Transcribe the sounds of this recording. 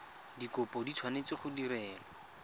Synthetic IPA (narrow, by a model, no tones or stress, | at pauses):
dikʊpɔditʰwanet͡sɪχʊdiɾɛːlɔ